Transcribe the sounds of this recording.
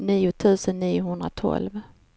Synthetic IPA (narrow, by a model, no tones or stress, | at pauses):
niːʊt̪ʰʉ̟ːsənːiːʊhɵnd̪ɾa̰t̪ʰɔ̰lv